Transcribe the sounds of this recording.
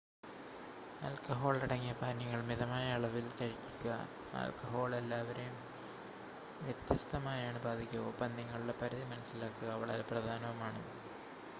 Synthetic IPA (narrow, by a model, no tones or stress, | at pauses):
ɐ̰lkɐɦo̞ːɭiɽɐŋːijɐpaːniŋːɐɭmiðɐmaːjɐɐɭɐʋilkɐɻikːikːuɣɐ̰ | ɐ̰lkɐɦo̞ːɭelːaːʋɐɾejum | ʋjet̪jɐst̪ɐmaːjaːɳɨbaːd̪ʱikʲːuopɐnd̪iŋːɐɭuɽepɐɾɐðimɐnɐsːilaːkːuɣɐːʋɐɭa̰ːleprɐd̪ʱaːnɐʋɐmaːɳɨ